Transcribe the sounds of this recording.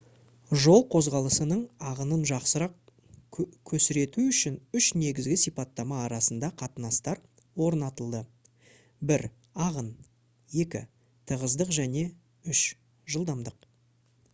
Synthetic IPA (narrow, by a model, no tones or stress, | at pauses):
ʒo̞lˠqʰo̞zʁɑlˠəsənəɴɑʁənənʒɑqsəɾɑq̚ | kʲʰɵsɪɾe̞t̪uʏʃɪnʏʃne̞ɡʲɪzɡʲɪsijpɑt̪ːɑmɑːɾɑsənd̪ɑqʰɑt̪ənɑst̪ɑɾ | wo̞ɾnɑt̪əlˠd̪ə | bɪɾ | ɑʁən | je̞kʲɪ̰ | t̪ʰəʁəzd̪əqʒæne̞ | ʏʃ | ʒəlˠd̪ɑmd̪əq